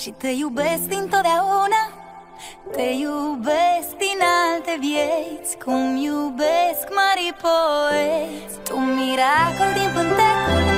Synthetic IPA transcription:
ʃit̪ejubesd̪ĩnt̪oðaonɐ | t̪ejubesd̪inalt̪ebjeskʰũmjubeskmaɾipoest̪ũmiɾakuld̪ĩɱfənt̪e

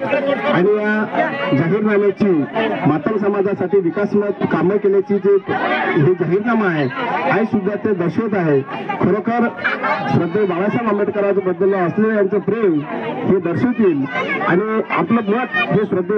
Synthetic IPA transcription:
aɽ̃ijad͡ʑaɦiːɾnamjat͡ɕiːmat̪əmsəmad͡zasaʈiːʋikasmət̪kaməkeljat͡ɕiːd͡zeɦed͡ʑaɦiːɾnamaɦeajsud̪ʱːat͡sed̪əɾɕot̪̬aɦekʰəɾokaɾsɾəd̪ʱːebaɭasakameʈkəɾat͡sabəd̪ːəlːɔəslejant͡sepɾemɦed̪əɾɕot̪iːla̰ɽ̃ia̰pləmət̪ɦesɾəd̪ʱːe

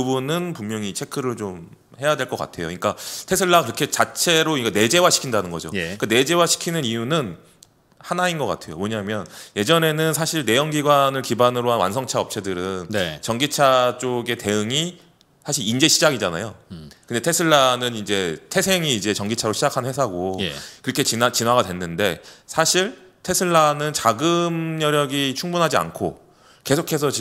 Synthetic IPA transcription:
ubunɯnpummjʌŋit͡ɕʰe̞kʰɯɾɯɭt͡ɕom | he̞jadwe̞ɭk͈ʌk͈a̰tʰe̞jo̰ɲik͈atʰe̞sʰɯɭːakɯɾʌkʰe̞t͡ɕat͡ɕʰe̞ɾoiikane̞d͡ʑe̞waɕʰi̥kʰindanɯnɡʌd͡ʑo̰jkane̞d͡ʑe̞waɕʰi̥kʰinɯnijunɯn | hanainɡʌk͈a̰tʰe̞jo̰moɲamjʌnje̞d͡ʑʌne̞nɯnsʰaɕʰiɭne̞jʌŋɡiɡwanɯɭkibanɯɾoɦanwa̰ns̬ʰʌŋt͡ɕʰaʌp̚t͡ɕʰedɯɾɯnnt͡ɕʌŋɡit͡ɕʰat͡ɕ͈oɡe̞te̞ɯŋi | sʰaɕʰiɾind͡ʑe̞ɕʰid͡ʑaɡid͡ʑana̰jokɯndetʰesʰɯɭːanɯnind͡ʑe̞tʰe̞sʰe̞ŋiːd͡ʑe̞t͡ɕʌŋɡit͡ɕʰaɾoɕʰid͡ʑakʰanwe̞s̬ʰaɡo̰kɯɾʌkʰe̞t͡ɕint͡ɕinwaɡadwe̞nːɯnde̞sʰaɕʰiɭ | tʰesʰɯɭːanɯnt͡ɕaɡɯmjʌɾjʌɡit͡ɕʰuŋbunɦad͡ʑia̰nkʰo̰ | ke̞sʰokʰe̞s̬ʰʌt͡ɕi

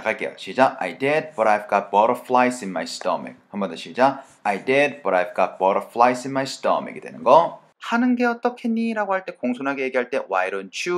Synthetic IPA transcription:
kʰaɭk͈e̞jo̰t͡ɕid͡ʑaʔa̰jded̚pʌɾajb̚ɡ͈at̚pʌɾʌfʰɭajs͈inmajst͈ʌ̰mḛk̚hambʌndʌɕʰid͡ʑa | ajded̚pʌɾajb̚k͈apʌɾʌfʰɭais͈inmajsɯ̥t͈ʌ̰mḛɡedwenɯnɡʌ | hanɯnɡe̞ʌt͈ʌkʰe̞ɲːiɾaɡohaɭt͈e̞koŋsʰonɦaɡe̞je̞ɡiɦaɭt͈e̞wajɾont͡ɕʰu

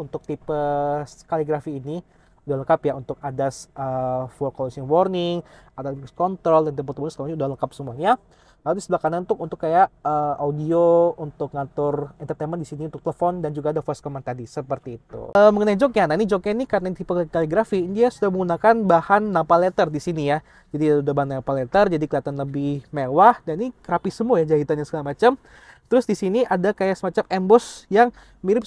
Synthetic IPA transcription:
unt̪ʊk̚t̪ipəskaliɡɾafiːni | udahləkapjaunt̪ʊk̚adasəfɔkɔlɔsiŋwɔrnɪŋ | at̪askɔnt̪ɾɔldant̪əpət̪umɔnskalɲiudahləkap̚səmuaɲa | laludisəblahkananunt̪ʊkunt̪ʊkːajaʔəaudiount̪ʊkŋat̪ʊrɛnt̪ərt̪emɛndisiniunt̪ʊk̚t̪ələfɔndand͡ʒuɡaːdafɔskɔmant̪adisəpərt̪iːt̪ṵəməŋənajd͡ʒɔkjananid͡ʒɔkanikanait̪ipakaliɡɾafindiasudahməŋɡunakanbahanːapalɛt̪ərdisinija | d͡ʒadiudabaɦanapalet̪ərd͡ʒadikəliat̪anːəbihmewahdaninikəɾapisəmuajad͡ʒaɦit̪anjaŋsə̥kalamat͡ʃam | t̪əɾʊsdisiniʔadakajaʔsəmat͡ʃamɛmbɔsjaŋ | miɾɪp̚

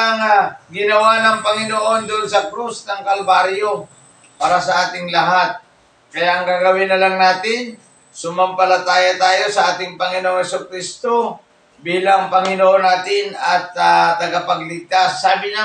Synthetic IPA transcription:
ɐŋaɡɪnɐwanɐŋpɐŋɪnoʔo̞nd̪ʊʔnsɐkɾusnɐŋkɐlbaɾjo̞ | paːɾasɐʔaːt̪ɪŋlɐɦat̪̚ | kɐjaʔɐŋɡaɡɐwɪnɐlaŋnaːt̪ɪn | sʊmɐmpɐlat̪aːjat̪aːjo̞sɐʔaːt̪ɪŋpɐŋɪnoʔoŋhɛsʊkɾist̪o | biːlɐŋpɐŋɪnoʔonaːt̪ɪnɐt̪at̪ɐɡapɐɡlɪɡ̚t̪asːaːbɪɲa

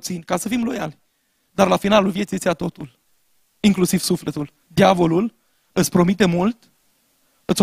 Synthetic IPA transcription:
t̪sinʲkasəfimlo̞jal | d̪arlafinalulvje̞t̪siesiat̪o̞t̪ul | iŋklusiv̥suflet̪ul | d̪iavo̞lul | ɨt̪sʲpɾo̞mit̪e̞mult̪ | ɨt̪sʲ

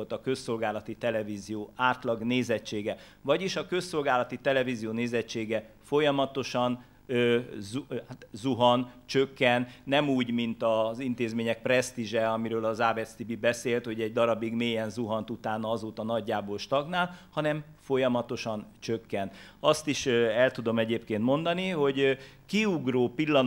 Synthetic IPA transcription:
olt̪ɒkø̞sːo̞lɡaːlɒt̪it̪ɛlɛviːzijoːaːrt̪lɒɡneːzɛt͡ʃːeːɡɛ | vɒɟiʃɒkø̞sːo̞lɡaːlɒt̪it̪ɛlɛvizijoːneːzɛt͡ʃːeːɡɛ | fo̞jɒmɒt̪o̞ʃɒn | zut̪zuɦɒnt͡ʃøkːɛnːɛmuːɟmint̪ɒzint̪eːzmeːɲɛk̚prɛst̪iʒɛɒmiɾøːlɒzaːvɛst̪ibibɛseːlt̪ho̞ɟɛɟ̚d̪ɒɾɒbiɡmeːjɛnzuɦɒnt̪ut̪aːnɒzoːt̪ɒnɒɟːaːboːlʃt̪ɒɡnaːlhɒnɛm | fo̞jɒmɒt̪o̞ʃɒnt͡ʃøkːɛn | ɒst̪iʃɛlt̪ud̪o̞mɛɟeːpkeːnt̪mo̞nd̪ɒniɦo̞ɟkiuɡroːpilːɒn

